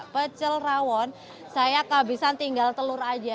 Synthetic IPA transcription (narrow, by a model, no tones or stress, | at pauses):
pət͡ʃəlrawɔn | sajakabisant̪iŋɡalt̪əluɾad͡ʒa